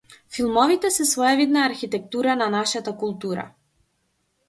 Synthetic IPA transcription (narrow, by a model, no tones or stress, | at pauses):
filˠmɔvit̪ɛsɛsvɔjavid̪naːɾxit̪ɛk̚t̪uɾananaʃat̪akulˠt̪uɾa̰